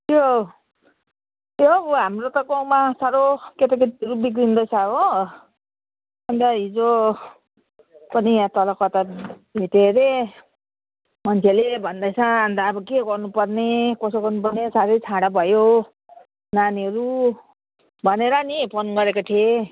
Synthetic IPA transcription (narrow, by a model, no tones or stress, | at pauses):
t̪jo | jobɦamrot̪ʌɡawmasaɾoket̪aket̪iʌɾubik̬ɾind̪ʌjsʰao | and̪aɦid͡zo | pʌniat̪ʌlʌkʌt̪abʱit̪eɾe | mʌnt͡sʰelebʱʌnd̪ajt͡sʰʌ̃and̪aːbʌkeɡʌrnupʌrnekʌsoɡʌrnupʌrnesaɾʌjt͡sʰãɽabʱʌjo | naniʌɾu | bʱʌneɾʌnipʰonɡʌɾekoʈʰie